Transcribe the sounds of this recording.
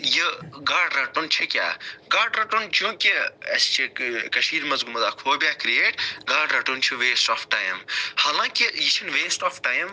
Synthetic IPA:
jiɡaːɖɾɐʈunt͡ʃʰikʲja̰ːɡaːɖɾɐʈunt͡ʃjũːkiɐ̰st͡ʃʰikɐʃiːɾmɐzɡumɐzaːkʰoːbʲaːkɾieːʈɡaːɖɾɐʈunt͡ʃʰiʋeːsʈoːfʰʈaːjmhaːlãːkijit͡ʃʰinʋeːsʈɔːfʰʈaːjm

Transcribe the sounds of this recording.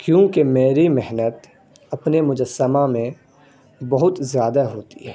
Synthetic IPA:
kjũːkemeːɾimɪɦnət̪ | ɐpnemʊd͡ʒəsːəmamẽ | bɐɦʊt̪zjaːd̪aɦoːt̪ḭɦɛː

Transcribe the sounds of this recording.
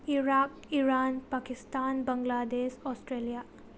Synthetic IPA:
iɾak̚ | iɾanpakistanbɐŋɡladesɔstɾelija

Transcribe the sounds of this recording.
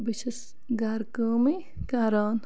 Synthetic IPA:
biʃes | ɡaːɾkəːmi | kaːɾaːn

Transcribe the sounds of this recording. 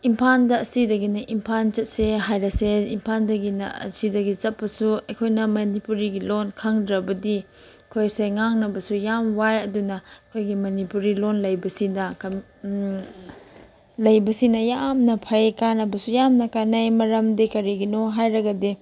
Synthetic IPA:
impʰandɐːsidɐɡinɐʔimpʰant͡ʃɐt̚seɦajɾɐseimpʰandɐɡinɐ̰ɐ̰sidɐɡit͡ʃɐpːɐsuɐjkʰojnɐmɐnipuɾiɡilonkʰɐŋdɾɐbɐdi | ɐkʰojsejŋaŋnɐbɐsujamwajɐdunɐɐkʰojɡimɐnipuɾilonlɐjbɐsinɐk | lɐjbɐsinɐjamnɐpʰɐjkanɐbɐsujamnɐkanajmɐɾɐmdikɐɾiɡinoɦajɾɐɡɐdi

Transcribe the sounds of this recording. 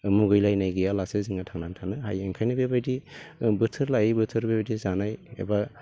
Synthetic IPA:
muɡɯjlajnajɡɯjalaseziŋatʰaŋnantʰanɯɦajeŋkʰajnɯbebajdibɯtʰɯɾlajibɯtʰɯɾbebadizanajḛba

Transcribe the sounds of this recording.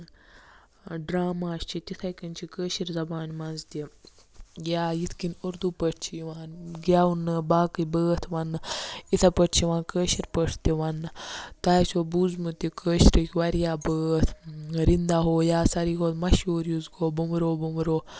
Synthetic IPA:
ɖɾaːmaːst͡ʃʰit̪it̪ʰɐkɐnʲt͡ʃʰikəːʃiɾzɐbaːnmɐnzd̪ʲi | jaːjit̪ʰkinuɾd̪upəʈʰt͡ʃʰiʋaːnɡʲaːunːɨbaːkɨbəːt̪ʰʋɐnːɨit̪ʰɐpəʈʰt͡ʃʰiʋãːnkəːʃiɾpəʈʰt̪iʋɐnːɨt̪aːt͡ʃʰoːbuːzmɨt̪ikəːʃɾikʰʲʋɐɾjaːbəːt̪ʰɾind̪aɦoːjaːsɐɾiɦoːt̪mɐʃuːɾjuzɡoːbumɾoːbumɾoː

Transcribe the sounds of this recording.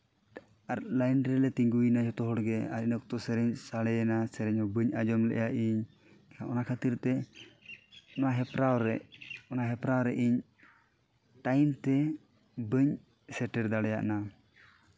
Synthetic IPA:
aɾlajnɾɛlɛt̪iŋɡujnad͡ʒɔt̪ɔɦɔɽɡɛaɾinɔk̚t̪ɔsɛɾɛɲsaɽɛnasɛɾɛɲɔbəɲad͡ʒɔmlɛ̰ʔjaʔiɲ | aʔɔnakʰat̪iɾt̪ɛ | ɔnaɦɛpɾawɾɛʔɔnaɦɛpɾawɾɛʔiɲ | ʈajmt̪ɛ | bəɲ | sɛʈɛɾd̪aɽɛja̰ʔna

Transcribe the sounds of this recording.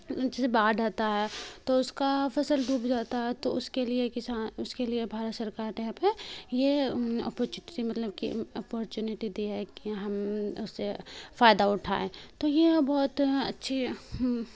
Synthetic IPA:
d͡ʒɛsebaːdaːt̪aɦɛt̪oʊskafɐsəld̪ʱuːbd͡ʒaːt̪aɦɛt̪oʊskeliekɪsaːnʊskeliebʱaːɾət̪sɐɾkaːɾteɦãpejeɔ̰ːpɔɾt͡ʃːimɐt̪ləb̚kḭɔːpɔɾt͡ʃjuːnɪʈid̪iɦɛkiɦɐmʊsːefaːjd̪aʊʈʰa̰ːḛ̃ːt̪ojebɔːt̪ɐtːʃʰi

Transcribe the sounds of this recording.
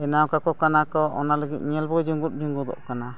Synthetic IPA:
ɛnawkakɔkanakɔɔ̰naləɡit̪̚ɲɛlbɔd͡ʒuŋɡut̪̚d͡ʒuŋɡɔd̪ɔ̰ʔkana

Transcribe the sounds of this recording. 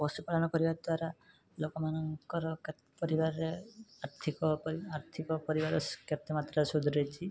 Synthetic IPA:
bɔsupaɽanɔkɔɾibad̪waɾa | lokɔmanɔŋkɔɾɔka | pɔɾibaɾeaɾt̪ʰikɔpaɾt̪ʰikɔpɔɾibaɾɔskat̪ːɔmat̪ɾasud̪ʱɾet͡ʃʰi

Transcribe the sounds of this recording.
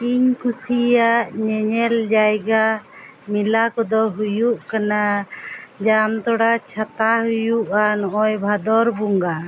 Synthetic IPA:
iɲkusijaʔɲɛɲɛld͡ʒajɡa | milakɔd̪ɔɦujuʔkana | d͡ʒamt̪ɔɽat͡ʃʰat̪aɦujuʔanɔʔɔjbʱad̪ɔɾbuŋɡa

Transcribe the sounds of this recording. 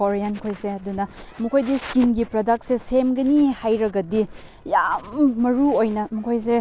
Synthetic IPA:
oɾijankʰojseɐdunɐmɐkʰojdiskinɡipɾodaksesemɡɐnihajɾɐɡɐdi | jammɐɾuojnɐmɐkʰojs̬e

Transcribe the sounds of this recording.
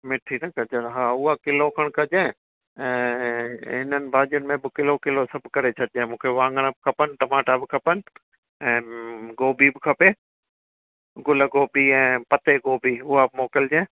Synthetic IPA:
mɪʈʰinɐkɐd͡ʑənɦaːʊɦakɪlokʰəɽ̃kʰɐd͡ʑẽː | ɛ̃ː | ɦɪnənɪ̆bʱaːd͡ʒənɪ̆mẽbɪkɪlokɪlosɐbʱkɐɾet͡ɕʰɐʈɪd͡ʑẽːmũːkʰeʋãːŋɡəɽ̃əbɪkʰɐpənɪʈɐmaːʈabɪkʰɐpənɪ | ɛ̃ːɡoːbibɪkʰɐpeː | ɡʊləɡoːbʱiɛ̃ːpɐt̪eɡoːbʱiʊɦamoːkɪld͡ʑɛ̃ː

